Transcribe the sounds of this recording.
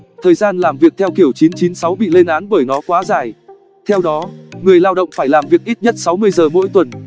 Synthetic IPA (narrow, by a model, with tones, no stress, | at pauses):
t̪ʰəː˨˩jzaː˧nlaː˨˩mvi˨˩ək̚t̪ʰɛ˧wki˧˩əwt͡ɕi˨˦nt͡ɕi˨˦nsa˨˦wɓḭ˧˨le˧nʔaː˨˦nɓəː˧˩jnɔ˨˦kwaː˨˦zaː˨˩j | t̪ʰɛ˧wɗɔ˨˦ŋɨ˨˩əjlaː˧wɗə̰˧˨wŋ͡mfaː˧˩jlaː˨˩mvi˨˩ək̚ʔi˦˥t̚ɲə˦˥t̚sa˨˦wmɨ˧əjzəː˨˩mo̰˧˥jt̪wə˨˩n